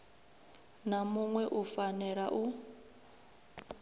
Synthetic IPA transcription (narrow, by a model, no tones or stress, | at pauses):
namuŋwɛʔufanɛɺaʔu